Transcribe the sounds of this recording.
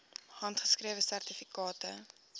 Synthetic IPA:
hɐntχə̥skrɾiəvəsærtifikɑːtə

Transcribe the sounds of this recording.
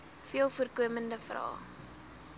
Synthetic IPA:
fiəlˠfuərkuəməndəfrɑ̰ː

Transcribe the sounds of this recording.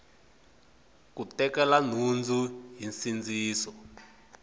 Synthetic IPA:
kutɛkɛlan̤und͡zʱuɦinsind͡ziːsɔ

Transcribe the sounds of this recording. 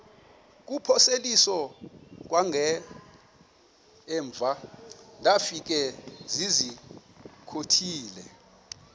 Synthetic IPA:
k̬upʰɔselisɔk̬ʼwaŋʱɛ | ɱb̪vʱandafik̬ʼɛzizi | kʰotʰiːlɛ

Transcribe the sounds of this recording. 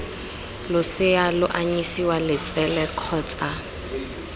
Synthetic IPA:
lʊsɪalʊʔaɲisiwalɪt͡sʼɛlɛkʰɔːt͡sʼa

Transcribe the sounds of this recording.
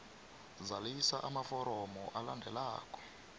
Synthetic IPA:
zalisaʔamafɔɾɔmɔʔalandʱɛla̰ːkɔ̥

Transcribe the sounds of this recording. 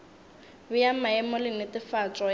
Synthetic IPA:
bʊjamaɛmɔlɪnɪtɪfat͡sʼɔ

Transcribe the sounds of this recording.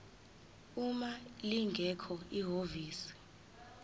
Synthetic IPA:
umaliŋɡʱɛkʰɔiɦoviːsi̥

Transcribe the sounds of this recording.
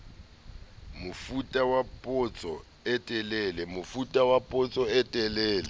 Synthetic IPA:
mʊfutʼawapʼʊt͡sʼɔ̰ | ɛtʼɛlɛlɛmʊfutʼawapʼʊt͡sʼɔɛtʼɛlɛːlɛ

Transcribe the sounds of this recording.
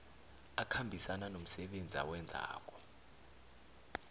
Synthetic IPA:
akʰambʱisananom̩sɛɓend͡zʱia̰wɛnd͡zʱa̰ːk̬ʼɔ̥

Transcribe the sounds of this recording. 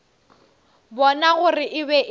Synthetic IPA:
bɔnaɣʊrɪʔɪbɛʔ

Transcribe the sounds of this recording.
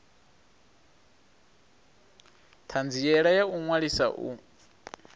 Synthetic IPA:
t̪ʰand͡zijɛɺajauŋwaɺisa̰ʔṵ

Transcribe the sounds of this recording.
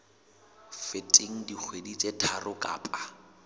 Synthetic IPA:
fetʼeŋ̩dik͡xʰwedit͡sʼetʰarʊkʼa̰ːpʼa

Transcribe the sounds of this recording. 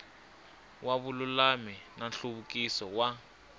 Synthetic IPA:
waβululaminanɬuβukʼisɔwa

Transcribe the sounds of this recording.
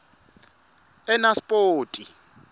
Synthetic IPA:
ɛnaspʼoːtʼi

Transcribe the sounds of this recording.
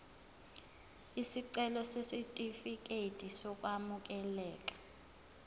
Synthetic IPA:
isiǀɛlɔsesitʼifik̬ʼetʼisɔk̬ʼwamuk̬ɛlɛːk̬ʼḁ

